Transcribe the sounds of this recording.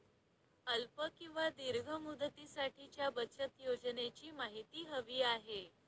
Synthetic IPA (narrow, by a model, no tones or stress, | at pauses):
əlpəkĩw̃ʋad̪iɾɡʱəmud̪ət̪isaʈʰit͡ɕjabət͡ɕət̪jod͡znet͡ɕiːmaɦit̪iːɦəʋiːaɦe